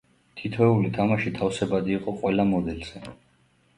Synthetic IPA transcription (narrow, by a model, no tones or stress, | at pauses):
t̪ʰit̪ʰvɛulit̪ʰamaʃit̪ʰafsɛbad̪iːqʼɔqʼwɛlamɔd̪ɛlz̥ɛ